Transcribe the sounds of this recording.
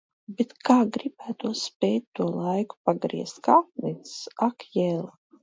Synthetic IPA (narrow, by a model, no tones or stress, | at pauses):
bet̪kaːɡɾibæːt̪uɔspʲɛːjt̪̚ʲt̪ːuɔlˠajku̥paɡɾḭɛst̪kaːp̚nit̪sssakjɛlˠ